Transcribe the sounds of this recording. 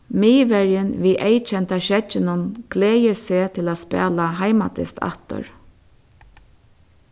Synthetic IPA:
miːʋɛɾjɪnʋiːʔejt͡ʃʰɛnt̪aʃɛt͡ʃːɪnʊnɡ̥lɛːjɪseːt̪ʰɪlaːspɛ̰ːlaɦajmat̪ɪ̰st̪ʰa̰ht̪ʊ̰ɹ

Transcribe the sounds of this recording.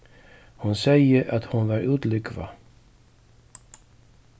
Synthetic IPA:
hʊnsɛjəɾʔat̪hʊnvaɾʉːt̪lʏkva̰

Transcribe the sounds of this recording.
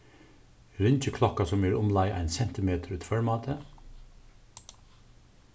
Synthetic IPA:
ɾʏnt͡ʃəkʰlɔkɑsɔmeːɹʊmlɑɪʔæ̰ɪnsɛnt̪ɪmeːt̪ʰəɾʉːt̪fœɹmɑːt̪ʰə

